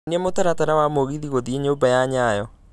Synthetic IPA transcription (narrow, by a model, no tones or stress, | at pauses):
nemotaɾataɾawamoɣiðiɣoðieɲobajaɲajɔ